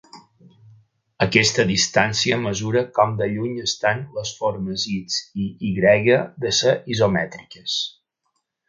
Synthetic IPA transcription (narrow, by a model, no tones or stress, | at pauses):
əkɛst̪əðist̪ansiəməzuɾəkɔmd̪əʎuɲəst̪anləsfoɾməzit͡siiɣɾɛɣəðəsəʔizomɛt̪ɾikəs